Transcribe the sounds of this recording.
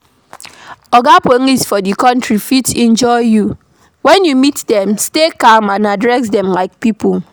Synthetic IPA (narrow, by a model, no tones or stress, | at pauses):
ɔɡapoŋisfɔdikɔ̃ntɹifitɛ̃nd͡ʒɔɪju | wɛ̃njumitdɛ̃mstekamãnadɹɛsdɛmlaɪk̚pipul